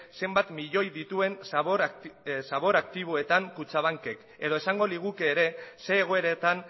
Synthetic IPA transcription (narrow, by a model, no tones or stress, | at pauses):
se̞mbat̪miʎo̞jðit̪ue̞nsoɾsaβ̞o̞ɾak̚t̪iβ̞oe̞t̪aŋkut͡saβ̞aŋke̞k | e̞ð̞o̞e̞saŋɡo̞liɣ̞ukeːɾe̞se̞ːɣ̞o̞e̞ɾet̪an